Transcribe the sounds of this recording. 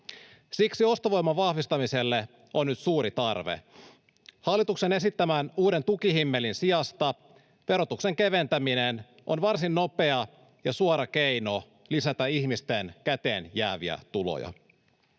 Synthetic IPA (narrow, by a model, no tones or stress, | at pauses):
siksio̞st̪oʋo̞jmːɑʋɑhʋist̪ɑmise̞lːe | onːyt̪suːɾit̪ɑrʋḛ | hɑlːit̪uksene̞sit̪ːæmænuːde̞nt̪ukiɦimːe̞linsiɑst̪ɑ | ʋe̞ɾo̞t̪ukse̞ŋke̞ʋe̞nt̪æminen | ʔo̰nʋɑrsinːope̞ɑ | jɑsuɑɾɑkejno | lisæt̪æiçmist̪enkæt̪e̞ːnjæːʋiæ̰t̪ulo̰jɑ̰